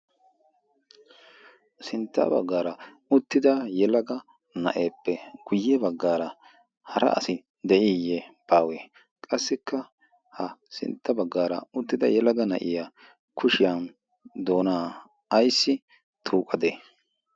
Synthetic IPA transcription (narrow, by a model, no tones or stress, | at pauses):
sɪnt̪ːa̰ːbɐ̰ɡːaːɾɐ | ʊt̪ːɪd̪ɐjɛlɐɡɐ | nɐ̰ʔe̞ːpːɛɡ̥ʊjːɛbɐɡːaːɾɐ | hɐɾɐ̰ʔɐ̰sɪ | d̪ɛʔɪjːɛb̥aːweː | kʼɐsːɪkːɐ | hɐsɪ̰nt̪ʰːɐbɐɡːaːɾɐʊt̪ːɪd̪ɐjɛlɐɡɐnɐ̰ʔɪja | kʰʊʃɪjɐn | d̪o̞ːnaː | ɐjsːɪ | t̪ʰuːkʼɐd̪eː